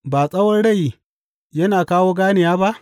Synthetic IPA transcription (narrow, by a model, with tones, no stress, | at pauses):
baː˨sʼɐ˦wɐ˦rɽɐ˦˨ji˨ | jɐ˦naː˨kaː˦woː˦ɡaː˦nɪ˨jaː˦ba˦ʔ